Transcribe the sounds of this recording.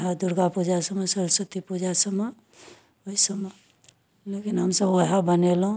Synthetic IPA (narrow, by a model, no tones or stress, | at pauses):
ɦad̪uɾɡapud͡ʒasəmesəɾsət̪ipud͡ʒasəme | oisəme | lekinɦəmsəbwəɦabənelɦũ